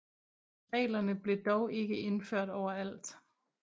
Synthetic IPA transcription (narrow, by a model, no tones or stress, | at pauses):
ʁɛ̰ːlɐnəb̥le̝d̥ɒʊʔe̝ɡ̥əe̝nføɐ̰ɾ̥ɒʊ̰ɐæl̰d̥